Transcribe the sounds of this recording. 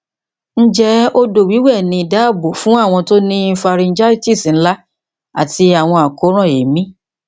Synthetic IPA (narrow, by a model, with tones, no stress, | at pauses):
n̩˦d͡ʒɛ˦o˦do˨wi˨˦wɛ˦˨nĩ˧i˨da˦˨bo˨fũ˨˦a˦˨w̃ɔ̃˧to˦nĩ˦fa˧ɾi˧n̩˦d͡ʒa˦i˦ti˦˨si˨n̩˦la˦ | a̰˨ti˧a˨w̃ɔ̃˧a˨ko˨˦ɾ̃ã˦˨e˨mĩ˦